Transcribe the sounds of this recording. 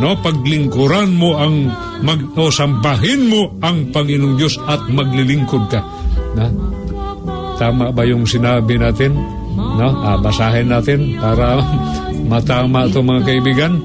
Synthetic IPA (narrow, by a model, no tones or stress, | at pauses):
nopɐɡ̚lɪŋkʊɾanmoʔɐŋ | mɐɡosɐmbaɦɪnmoʔɐŋpɐŋɪnoŋd̪josɐt̪̚mɐɡlɪlɪŋkod̪̚ka | no | t̪aːmaʔbajʊŋsɪnaːbɪnaːt̪ɪn | noʔabɐsaːɦɪnaːt̪ɪnpaːɾa | mɐt̪aːmaʔt̪ʊŋmɐŋakɐʔɪbiːɡan